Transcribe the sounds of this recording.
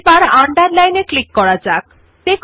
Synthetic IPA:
baɾaɳɖaɾlajneklikːɔɾad͡ʒak̚ | t̪ek

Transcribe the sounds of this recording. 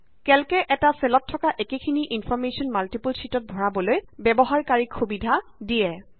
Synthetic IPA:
kɛlkɛʔɛtasɛlɔtʰːɔkaʔekekʰiniʔinpʰɔɹmesɔnmaltipulsitɔt̚bʱɔɹabɔlojbɛbɔɦaɹkaɹikxubidʱadijɛ

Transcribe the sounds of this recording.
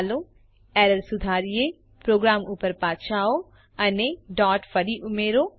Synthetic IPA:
lõ | ɛːɾəlsʊd̪ʱaːɾije | pɾoːɡɾaːmuːpəɾpaːtt͡ʃʰaːo | ɐneɖɔːʈfəɾiʔʊmeːɾoː

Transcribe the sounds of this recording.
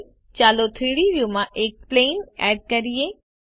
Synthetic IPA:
t͡ɕaːlot̪ʰiːɽiɾijũmãʔeːk̚pleːnɛ̰ːɖ̚kɐɾieː

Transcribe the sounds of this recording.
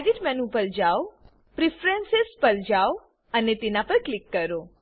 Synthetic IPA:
ɡiʈmɛnupəld͡ʒao | pɾifɾensespəld͡ʒao | ənet̪enapəɾklikːəɾo

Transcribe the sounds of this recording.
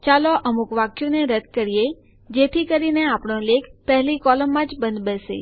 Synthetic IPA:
t͡ʃaloʔəmukʋakjũneɾəd̪̚kəɾije | d͡ʒet̪ʰikəɾineapɳ̃õlekʰpɛɦlikɔləmːãd͡ʒbə̃nd̪bəsḛ

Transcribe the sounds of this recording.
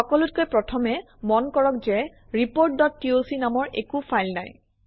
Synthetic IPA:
xɔkɔlut̚kojpɹɔtʰɔmɛ | mɔnkɔɹɔk̚zɛ | ɹipoɹt̚dɔtːiosinamɔɹʔḛkupʰajlna̰j

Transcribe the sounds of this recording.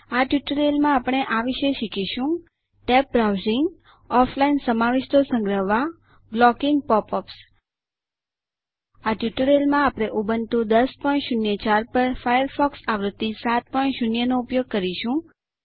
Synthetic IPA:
aʈjuʈəɾelmãːpɳ̃eʔaʋiʃeʃikiʃũ | ʈɛp̚bɾawzɪŋɡ | ɔflainsəmaʋiʃt̪osə̃ŋɡɾəʋːa | blɔkiŋɡ̚pɔpɔps | aʈjuʈəɾelmãapɽ̃eʔubənt̪ũd̪əspɔinʃunjət͡ʃaɾpəɾfajəɾfɔksaʋɾət̪ːisat̪̚pɔinʃunjənoupjoɡ̚kəɾiʃũ

